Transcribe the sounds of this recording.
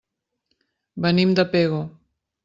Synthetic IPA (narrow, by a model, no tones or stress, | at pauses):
bɐnimd̪ɐpeːɣo